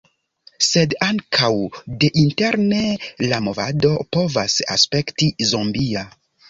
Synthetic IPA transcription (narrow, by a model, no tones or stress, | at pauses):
se̞daŋkʰawde̞ʔinte̞ɾne̞lamo̞va̰do̞po̞vasa̰spe̞ktizombia